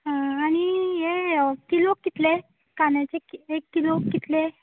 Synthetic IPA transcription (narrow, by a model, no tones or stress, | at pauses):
ɦãañijekilokːit̪le | kanjat͡ɕekekːilokːit̪le